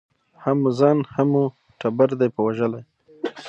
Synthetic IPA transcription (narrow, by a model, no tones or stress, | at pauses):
hamʊzɑnhamu | ʈabaɾd̪ajpəwaʒəlaj